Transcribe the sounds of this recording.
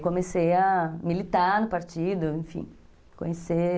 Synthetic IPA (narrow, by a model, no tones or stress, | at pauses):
kõmesejɐmilit̪anʊpaɾt͡ʃid̪ʊẽfḭ̃ | kõɲese